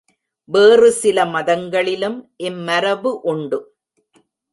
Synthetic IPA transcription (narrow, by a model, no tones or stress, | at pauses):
ʋeːrɯsɪlɐmɐðɐŋɡɐɭɪlɯmʔɪnːɐɾɐʋɯʔʊɳɖɯ